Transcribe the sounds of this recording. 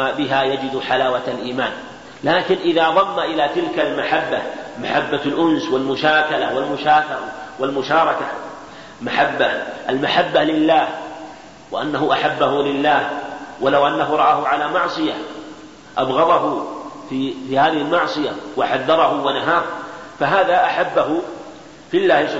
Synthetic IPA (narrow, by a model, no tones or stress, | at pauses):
bɪɦajad͡ʒɪd̪ħalaːwat̪alʔiːmaːn | laːkɪnʔɪðaːðˤɑmːaʔɪlaːt̪ɪlkalmaħabːamaħabːalʔʊnswɪlmʊʃaːkalawalmʊʃaːkɑɾˤɑwalmʊʃɑːɾˤɑka | maħabːaalmaħabːalɪlːaːh | wɪʔanːaɦʊʔaħabːahʊlɪlːaːhwalawʔanːaɦʊɾˤɑʔaːhʊʕalaːmɑʕsˤɨja | ʔabɣɑðˤɑɦʊfifiːhaːðɪhɪlmɑʕsˤɨjawaħaðːɑɾˤɑhʊwanaɦaːfaɦaːðaʔaħabːaɦʊ | fɪlːaːhɪs